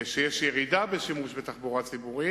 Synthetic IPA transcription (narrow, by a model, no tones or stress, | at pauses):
ʃejɛʃjɛʁid̪abeʃimuʃbet̪aχbuʁat͡sibuʁi